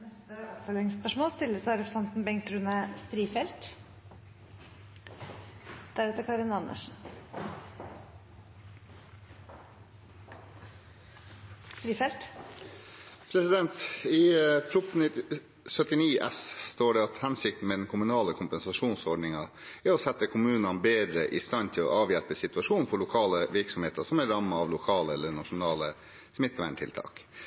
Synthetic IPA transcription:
nɛst̪əɔfɔlɪŋspœʂmoːlst̪ɪlːəsɾɛpsɛnt̪n̩bɛŋt̪ɾʉːnəst̪ɾiːfɛlt̪ | d̪̥æɾɛt̪əɾkʰɑɾɪnɑnə̰ʂn̩ | st̪ɾiːfɛlt̪ | pʰɾɛsɪd̪ɛnt̪iːfʰɾʊt̪n̩ɪ | sœt̪ɪniːʔɛ̰sst̪oːɖɛɑt̪hɛnsɪk̚t̪n̩meːd̪ɛnkʰʊmʉnɑːləkʰʊmpɛnsɑʂuːnsɔɖɳnɪŋɑ | æɾɔsɛt̪ːəkʰʊmʉːnɑnbeːd̪ɾəʔɪ̰st̪ɑnt̪ʰɪlɔ̰ʔɑːʋjælpəsɪt̪ʉɑʂuːnn̩fɔɭʊkʰɑːləʋɪɾksɔmheːt̪ɑsɔmæɾɑmɑɑʋlʊkʰɑːləɛlːəɳɑʂʊnɑːlə | smɪt̪ːʋæɪnt̪ʰɪ̰lt̪ʰɑ̰ːk

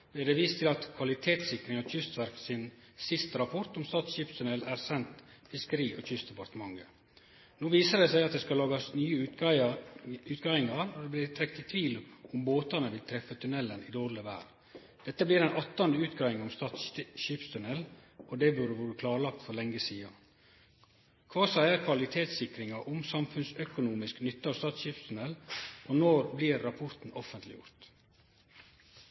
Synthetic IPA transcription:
b̪ɛɖ̪ɛʋiːst̪ʰɪlɑt̪kʰʋɑlɪt̪ʰeːt̪sɪkɾɪŋɑçʏst̪ʋæɾksɪn | sɪst̪əɾɑpʰɔɾt̪ɔmst̪ɑːt̪sʃiːpst̪ʰʉnɛlæɾsɛnt̪ | fɪskəɾiːʔɔc͡çʏst̪d̪ɛpɑɾt̪əmɑŋːə | noːʋiːsəd̪ɛsæɪɑt̪̚d̪ɛːskɑlɑːɡɑsnyːə | ʉːt̪ɡɑːʋɪŋɑɾɔd̪ɛblɪɾt̪ʰːɾɛk̚t̪ɪt̪ʰʋiːlɔmboːt̪ɑnəʋɪlt̪ʰɾɛfət̪ʰʉnɛlːənɪd̪oːɾɭəʋæ̰ːɾ | d̪̥ɛt̪ːəblɪːɾɛnʔɑt̪ːɑnd̪əʉːt̪ɡɑːɪŋʊmst̪ɑːt̪ʃiːpst̪ʰʉnɛlɔd̪ɛʋʉɾəʋuːɾəkʰlɑːɾɭɑk̚t̪fɔɾlɛŋːəsiːɑ | kʰʋɑːsæɪəɾkʰʋɑlɪt̪ʰeːt̪sɪkɾɪŋɑʔʊmsɑmfʉnsœkʊnuːmɪsknʏt̪ːəɑːst̪ɑːt̪sɕiːpst̪ʰʉnɛlʔɔnoːɾblɪɾːɑpʰʊɾt̪n̩ɔfənt̪lɪ̰jʊ̰ɾt̪

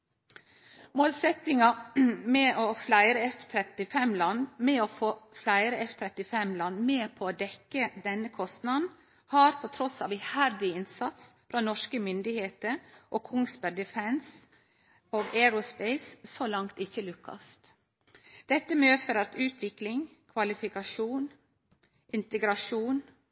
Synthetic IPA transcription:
moːlsɛt̪ɪŋɑmeʔoːflæɪɾəɛft̪ʰɾɛt̪ɪfɛmlɑnːmɛoːfoːflæɪɾəɛft̪ʰɾɛt̪ɪfɛmlɑnːmeːpʰoːoːd̪ɛkːəd̪ɛnəkʰɔst̪nɑd̪n̩ | hɑːɾpʰot̪ʰɾɔsɑːʋæhæɾd̪ɪɪnsɑt̪sfɾɑːnɔʂkəmʏnd̪ɪheːt̪əɾʔoːkʰʊŋsbəɾɖ̪ɪfɛns | oːɡɛɾʊspɛɪssoːlɑŋt̪ɪçəlʉkʰːɑ̰st̪ | d̪̥ɛt̪ːəmøːfəɾɑt̪ʉːt̪ʰʋɪklɪŋ | kʰʋɑlɪfɪkɑʂuːn | ʔɪnt̪əɡɾɑʂuːn

